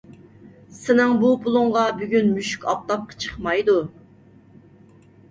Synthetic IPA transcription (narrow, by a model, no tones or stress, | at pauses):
sɪnɪŋbupʰʊlˠuŋʁɑbyɡʲynmyʃy̥kʲɑp̚t̪ɑp̚qʰɑ̥t͡ʃʰə̥χmɑjd̪u